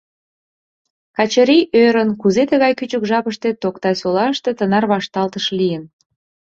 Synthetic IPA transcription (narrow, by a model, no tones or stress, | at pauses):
kɑt͡ɕəɾiʔøɾənkuzet̪əɣɑjkyt͡ɕəkʒɑpəʃt̪et̪okt̪ɑsolɑʃt̪et̪ənɑrβɑʃt̪ɑlt̪əʃlijən